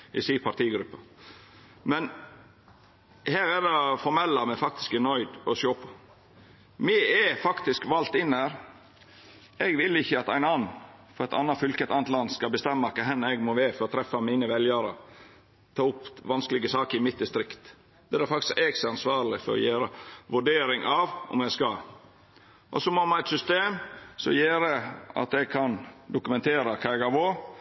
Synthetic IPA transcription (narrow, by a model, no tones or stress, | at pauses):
ɪ̰siːpʰɑt̪ʰiːɡɾʉpːɑ | mɛn | hæːɾædɑfɔɾmɛlːɑmɛfɑk̚t̪ɪ̥skɪnɔʏd̪ɔsoːpʰɔ̥ | mɛɛfɑkt̪ɪskʋɑlt̪ɪnːhæːɾ | ɛɡʋɪlːɪçːəɑt̪æɪnɑnːfɔɾɛt̪ʰɑ̰nːɑt̪fʏlkəɛt̪ɑnət̪lɑnːskɑlbəst̪ɛmːɑkɑɦɛnːɛɡmɔʋeːfɔɾɔt̪ʰɾɛfɑmiːnəʋɛljæɾə | t̪ʰɑːʊpːʋɑnsklɪɡəsɑːkəɾɪmɪt̪d̪ɪst̪ɾɪkt̪ | d̪̥ɛæɾfɑk̚t̪ɪskɛɡsɑnsʋɑːɾlɪfɔ̰ɾɔ̰jeːɾəʋʉɖeːɾɪŋʔɑʋʔɔ̰mæɡskɑ | ʔɔ̰sɔmoːmɑnæɪt̪sʏst̪eːmsɔ̰jeːɾɛɑ̰t̪ɛɡ̚kʰɑnd̪ʊkʉmɛnt̪ʰeːɾɑkʰɑːɛɡɑʋo